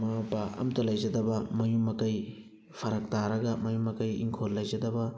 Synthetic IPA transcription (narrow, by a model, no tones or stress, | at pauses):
mabaʔɐ̰mtɐlɐjd͡ʒɐdɐbɐmɐjumːɐkɐj | pʰɐɾɐk̚taɾɐɡɐmɐjumːɐkɐjḭŋkʰollɐjzɐdɐbɐ